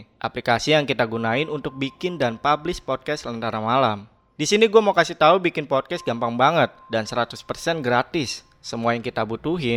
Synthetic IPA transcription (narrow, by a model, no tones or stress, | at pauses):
ʔa̰plikasijaŋkit̪aɡunaɪnunt̪ʊk̚bikɪndanpablɪspɔd̚kɛsələnt̪aɾamalam | disiniɡuamawkasɪt̪aubikɪnpɔd̚kɛst̪̚ɡampaŋbaŋət̪̚dansəɾat̪ʊspərsɛnɡəɾat̪ɪsː | əmuajaŋkit̪abut̪uɦɪ